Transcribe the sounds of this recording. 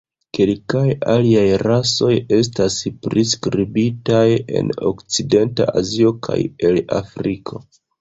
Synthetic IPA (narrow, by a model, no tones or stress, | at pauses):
ke̞lkajaliajɾaso̞je̞s̬taspɾiskɾibitaje̞̰no̞̰kt͡side̞nta̰ʔazio̞kʰa̰je̞la̰fɾikʰo̞